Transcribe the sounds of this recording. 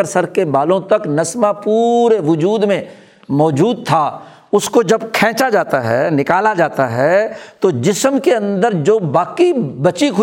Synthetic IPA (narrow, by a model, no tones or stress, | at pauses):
əɾsəɾkebaːlõt̪ɐknɐsmapuːɾeʋʊd͡ʒuːd̪mẽ | mɔːd͡ʒuːd̪̚t̪ʰaː | ʊskod͡ʒɐbkʰɛ̃ːt͡ʃad͡ʒaːt̪aɦɛːnɪkaːlad͡ʒaːt̪aɦɛt̪od͡ʒɪsmkeɐ̃nd̪əɾd͡ʒoːbaːkibɐt͡ʃikʰʊ